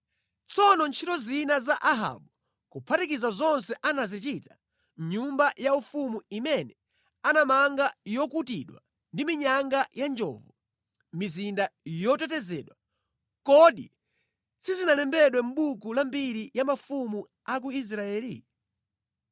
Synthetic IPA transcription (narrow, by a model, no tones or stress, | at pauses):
t͡sɔnɔnt͡ʃʰitɔzinazaʔaɦa̰ɓu | kupʰatikizazɔnsɛʔanazit͡ʃita | mɲumbajaufumuimɛnɛ | anamaŋɡajɔkutiɗwa̰ | ndimiɲaŋɡajand͡ʒɔ̰vɔ | mizindajɔtɛtɛzɛ̰ːɗwa | kɔɗi | sizinalɛmbɛɗwɛm̩ɓukulambiɾijamafumu | ak̬uis̬ɾaɛːlḭ